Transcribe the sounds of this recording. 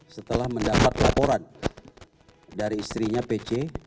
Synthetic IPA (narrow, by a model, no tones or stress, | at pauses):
sət̪əlahməndapat̪̚lapoɾan | daɾiːst̪ɾiɲapet͡ʃe